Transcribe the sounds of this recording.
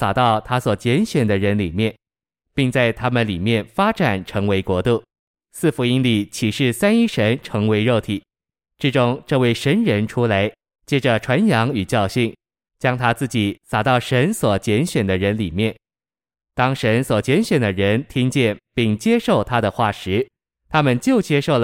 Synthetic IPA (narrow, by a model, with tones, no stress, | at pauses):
sa˨˩t̪ɑ˥˩ʊt̪ʰa˥swɔ˨˩t͡ɕjɛ˧˥nɕɥɛ˨˩nd̪ə˦ɻə˧˥nli˨˩mjɛ˥˩n | pi˥˧ŋt͡sa˥˩ɪt̪ʰa˥mə˨nli˨˩mjɛ˥˩nfa˥ʈ͡ʂa˨˩nʈ͡ʂʰɤ˧˥ŋwe˧˥ɪkwɔ˧˥t̪u˥˩ŋ | sɹ̩˥˩fu˧˥i˥nli˨˩t͡ɕʰi˨˩ʂɻ̩˥˩sa˥ni˥ʂə˧˥nʈ͡ʂʰɤ˧˥ŋwe˧˥ɪɻo˥˩ʊt̪ʰi˨˩˦ | ʈ͡ʂɻ̩˥˩ʈ͡ʂʊ˥ŋʈ͡ʂɤ˥˧we˥˩ɪʂə˧˥nɻə˧˥nʈ͡ʂʰu˥la˧˥ɪ | t͡ɕjɛ˥ʈ͡ʂə˨ʈ͡ʂʰwa˧˥njɑ˧˥ŋy˨˩t͡ɕjɑ˥˧ʊɕi˥˩n | t͡ɕjɑ˥ŋt̪ʰa˥t͡sɹ̩˥˩t͡ɕi˨˩˦sa˨˩t̪ɑ˥˩ʊʂə˧˥nswɔ˨˩t͡ɕjɛ˧˥nɕɥɛ˨˩nd̪ə˦ɻə˧˥nli˨˩mjɛ˥˩n | t̪ɑ˥ŋʂə˧˥nswɔ˨˩t͡ɕjɛ˧˥nɕɥɛ˨˩nd̪ə˦ɻə˧˥nt̪ʰi˥ŋt͡ɕjɛ˥˧˩npi˥˩ŋt͡ɕjɛ˥ʂo˥˩ʊt̪ʰa˥d̪ə˨xwa˥˩ʂɻ̩˧˥ | t̪ʰa˥mə˨nt͡ɕjo˥˩ʊt͡ɕjɛ˥ʂo˥˩ʊlə˩